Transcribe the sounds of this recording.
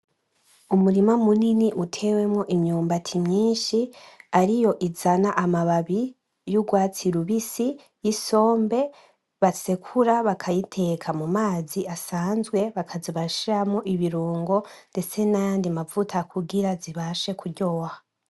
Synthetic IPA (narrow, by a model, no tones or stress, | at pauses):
umuɾimamuniniʔutʰe̞we̞mŋoʔimɲuːmbatʰimɲiːnʃiaɾijo̞ʔizanaʔamaβaβi | juɡwaːt͡siɾuβisi | jiso̞ːmbe̞ | βasekʰuɾaβakʰajitʰe̞kʰamumaːziasaːnzɡwe̞βakʰaziβaʃiɾamŋoʔiβiɾuːŋɡo̞nde̞t͡se̞najaːndiamavutʰakʰuɡiɾaziβaʃe̞kʰuɾɟo̞ha